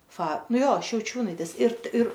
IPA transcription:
fɐ nuɔ ˈjoː ʃʲɛʊˈt͡ʃʲuːnɐɪtʲeːs ɪr ɪr

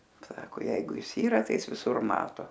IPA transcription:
ˈsɑːkoː ˈjɛɪɡʊ ˈɪs ˈiːrɐ tɐɪ ˈɪs ʋʲɪˈsʊr ˈmɑːtoː

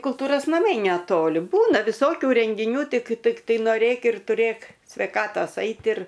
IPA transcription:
kʊlˠˈtuːroːs nɐˈmɐɪ nʲɛˈtoːlʲɪ ˈbuːnɐ ʋʲɪˈsoːkʲʊ rʲɛŋʲɡʲɪˈnʲuː ˈtʲɪk tʲɪkˈtɐɪ noːˈrʲeːk ɪr tʊˈrʲeːk sʲʋʲɛɪˈkɑːtoːs ˈɐɪt ɪr

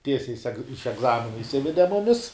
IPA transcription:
ˈtʲiɛsʲɛɪ sʲɛk ɪʃ ɛɡˈzɑːmʲɪnɐ ɪʃʲˈsʲɪʋʲɛdʲɛ ˈmʊmʲɪs

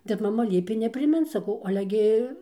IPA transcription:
ˈtʲɛp mɐˈmɐ ˈlʲiɛpʲeː nʲɛpʲrʲɪˈmʲɪnt sɐˈkɐʊ ˈɑːlʲɛ ˈɡʲɪ

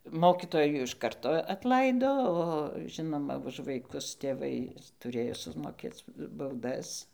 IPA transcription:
ˈmoːkʲɪtoːjuː ɪʃ ˈkɐrtoː ɐtˈlˠɐɪdoː oː ˈʒʲɪnoːmɐ ʊʃ ʋɐɪˈkʊs tʲeːˈʋɐɪ tʊˈrʲeːjoː sʊmoːˈkʲeːt͡s bɐʊˈdɐs

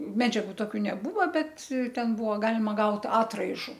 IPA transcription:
ˈmʲæːd͡ʒʲɛɡʊ ˈtoːkʲʊ nʲɛˈbuːʋɐ ˈbʲɛt ˈtʲɛn ˈbuːʋɐ ˈɡɑːlʲɪmɐ ˈɡɐʊt ˈɑːtrɐɪʒʊ

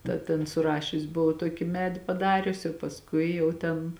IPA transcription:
ˈdɐ tʲeːn sʊˈrɑːʃʲʊs bʊˈʋɐʊ ˈtoːkʲɪ ˈmʲæːdʲɪ pɐˈdɑːrʲʊsʲɪ jɛʊ pɐsˈkʊɪ jɛʊ ˈtʲɛn

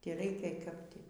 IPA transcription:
tʲiː ˈrʲɛɪkʲɛ kɐp ˈtʲiː

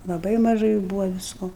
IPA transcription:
lˠɐˈbɐɪ mɐˈʒɐɪ ˈbuːʋɐ ʋʲɪsˈkoː

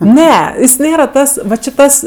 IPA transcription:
ˈnʲɛ jɪs ˈnʲeːrɐ ˈtɐs ˈʋɐ t͡ʃʲɪ ˈtɐs

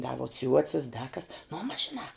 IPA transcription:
dɐ ʋuɔ ˈt͡sʲuɔt͡sʲɪs dɐ kɐs nʊ mɐs ʒʲɪˈnɑː

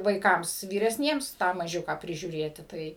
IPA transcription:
ʋɐɪˈkɐms ʋʲiːrʲɛsʲˈnʲiɛms ˈtɑː mɐˈʒʲʊkɑː pʲrʲɪʒʲuːˈrʲeːtʲɪ ˈtɐɪ

